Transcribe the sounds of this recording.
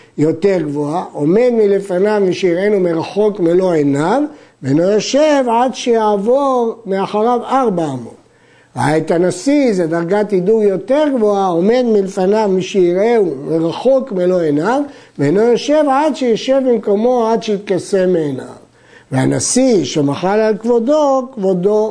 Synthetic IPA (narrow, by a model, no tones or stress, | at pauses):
jo̞t̪e̞ʁɡvoaʔo̞me̞d̪milefanavmiʃeiʁe̞numeʁaχo̞kmelo̞enavveanojoʃevʕad̪ʃejaːvoʁmeaχaʁavaʁbaːmo̞̰n | at̪anasized̪aʁɡat̪id̪uɡjo̞t̪eʁɡvoao̞me̞d̪milfanavmiʃeiʁeumeʁaχo̞kmelo̞enav | veenojoʃe̞vʕad̪ʃejoʃe̞vbimko̞mo̞ad̪ʃeit̪̚kasemːeːna̰v | vea̰nasiʃemaχalalkvo̞d̪okvo̞d̪o